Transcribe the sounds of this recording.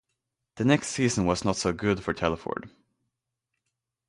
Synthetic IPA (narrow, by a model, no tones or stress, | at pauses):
ðɨnɛkstsiːzə̃n̩wʌznətsoʊɡʊd̥fə˞tʰɛlˠəfɔ̰ɹd̥